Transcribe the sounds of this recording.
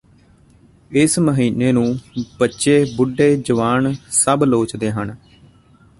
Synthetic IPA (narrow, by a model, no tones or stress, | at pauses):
ɪsməɦiːneːnũːbətːʃeːbʊɖeːd͡ʒəʋaːnsəbloːt͡ʃd̪eːɦən